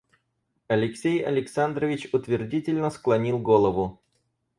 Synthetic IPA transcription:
ɐlʲɪksʲejɐlʲɪksand̪ɾəvʲɪt͡ɕʊt̪vʲɪrdʲitʲɪlʲnəsklˠɐnʲilˠɡolˠəvʊ

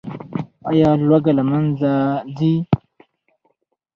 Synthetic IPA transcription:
ajaːlwaɡalamanzadi

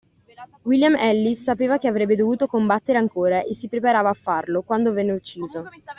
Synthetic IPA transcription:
wiljamɛlːisːapeːvak̟eavɾɛbːed̪ovuːt̪okombat̪ːeɾeaŋkoːɾaʔesːipɾepaɾaːvaːfːarlokwand̪ovɛnːeut͡ʃːiːzo

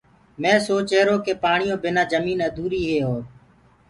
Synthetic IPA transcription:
mẽːsoːt͡ʃeːɾoːkeːpaːɳɪjõːbɪnãːd͡ʒəmiːnəd̪ʱuːɾiːɦeːɦoː

